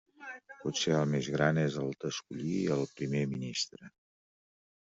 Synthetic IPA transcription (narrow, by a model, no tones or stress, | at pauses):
pɔt̪seəlˠmezɣɾanezəlˠd̪əskuʎiəlˠpɾimeminist̪ɾə